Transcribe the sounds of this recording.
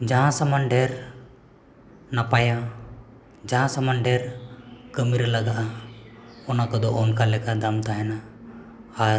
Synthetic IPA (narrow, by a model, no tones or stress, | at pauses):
d͡ʒaɦãsamaɳɖɛɾ | napaja | d͡ʒaɦãsamaɳɖɛɾkəmiɾlaɡaʔa | ɔnakɔd̪ɔʔɔnkalɛkad̪amt̪aɦɛnaː | ɾ